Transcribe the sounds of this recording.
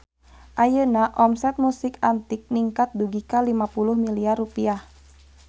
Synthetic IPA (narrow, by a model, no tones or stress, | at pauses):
ʔajənaʔɔmsɛt̪̚musɪkant̪ɪk̚niŋkat̪̚duɡikalimapulʊhmiliarupiah